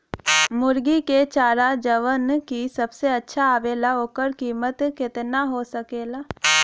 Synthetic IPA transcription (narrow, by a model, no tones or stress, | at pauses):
mʊɾɡiket͡ʃaːɾad͡ʒəʋənkisɐbseɐtːʃʰaːʋeːlaoːkəɾkiːmət̪kɪt̪naɦosəkeːlaː